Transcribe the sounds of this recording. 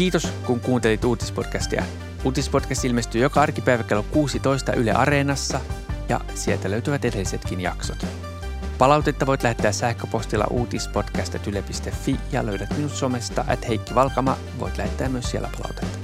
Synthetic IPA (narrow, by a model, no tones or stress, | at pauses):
kiːt̪oskuŋkuːnt̪e̞lit̪uːt̪ispo̞t̪kæst̪iæ̰ | uːt̪ispo̞t̪kæst̪ilmest̪yːjo̞kɑɑrkipæiʋæke̞lokuːsit̪o̞ist̪ɑ̰ʔylḛʔɑ̰ɾeːnɑsːɑjɑ̰ | siet̪æløɥt̪yʋæt̪edelːise̞t̪kinjɑ̰ksot̪ | pɑlɑwt̪e̞t̪ːɑʋo̞jt̪læhet̪ːeæːsæhkøpo̞st̪ilːɑ̰ʔuːt̪ispo̞t̪kæst̪et̪ylepist̪e̞fːijɑ̰løydæt̪minut̪so̞mest̪ɑ̰ʔæt̪hejkːiʋɑlkɑmɑ | ʋo̞̰jt̪læhet̪ːæːmːyøssielːæpɑlɑ̰wt̪e̥t̪ːɑ̥